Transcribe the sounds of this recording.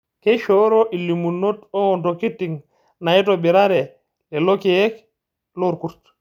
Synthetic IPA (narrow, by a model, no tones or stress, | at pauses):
kɛʃoɾɔʔilːimunːotɔŋɔntokitːiŋ | nait̬ɔbiɾaɾɛ | ɛlokijɛk | loɾkuɾt